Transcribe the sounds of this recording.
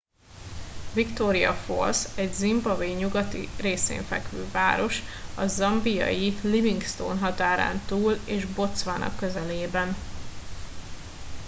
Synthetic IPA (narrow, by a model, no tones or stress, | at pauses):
vikt̪oɾijɒ̰fo̞̰lsɛɟzimbɒveɲuɡɒt̪ḭreːsḛːɱfɛ̰kʋøːva̰ːɾo̞ʃɒzɒmbijɒ̰jiliviŋɡst̪o̰ːnɦɒt̪aːɾa̰ːnt̪uːleːʒbo̞t̪sʋaːnʔɒ̰kːøzɛleːbɛn